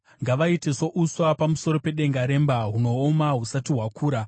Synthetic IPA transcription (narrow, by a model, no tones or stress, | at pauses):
ŋɡaʋaite̞so̞ʔuswapamuso̞ɾo̞pe̞ɗe̞ŋɡaɾe̞mbaɦuno̞ːmaɦusatiɦwakʰuːɾa